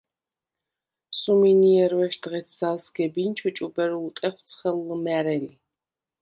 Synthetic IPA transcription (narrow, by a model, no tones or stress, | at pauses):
suminiɛɾvɛʃd̪ʁɛt̪ʰzalsɡɛbint͡ʃʰut͡ʃʼubɛɾult̪ʼɛχʷt̪sʰχɛlːɨmæɾɛli